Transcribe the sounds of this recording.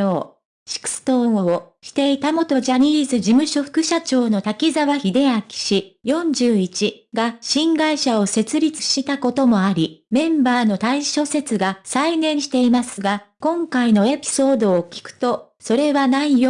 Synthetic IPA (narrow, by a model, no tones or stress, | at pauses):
oː | ɕi̥kɯ̥sɨ̥t̪oːooɕi̥t̪e̞it̪amo̞t̪o̞ʑaɲiːzɨʑimɯ̟ɕo̞ɸɯ̥kɯ̟ɕat͡ɕo̞ːno̞t̪akʲizaβaçid̪e̞akʲi̥ɕijõ̞ɲ̟d͡ʑɨːit͡ɕiɡaɕĩŋɡaiɕao̞se̞t͡sɨɾʲit͡sɨ̥ɕit̪ako̞t̪o̞mo̞aɾʲimẽ̞mbaːno̞t̪aiɕo̞se̞t͡sɨɡasainẽ̞ɰ̃ɕi̥t̪e̞imasɨɡakõ̞ŋkaino̞e̞pʲi̥so̞ːd̪o̞ːkʲi̥kɯ̟̥t̪o̞ | so̞ɾe̞βanaijo